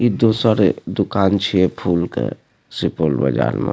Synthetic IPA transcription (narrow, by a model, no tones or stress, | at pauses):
id̪oːsaɾed̪ʊkaːnt͡ʃʰiepʰuːlkḛ | sipoːlbə̰d͡ʒa̰ːɾmḛ